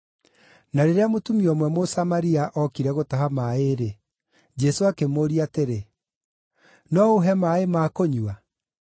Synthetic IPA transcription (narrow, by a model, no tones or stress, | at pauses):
naɾeɾeamotumiɔmwɛmosamaɾiaʔɔkiɾɛɣotaɦamaeɾe | d͡ʒɛsoakemoɾiateɾe | nɔoɦɛmaemaːkoɲua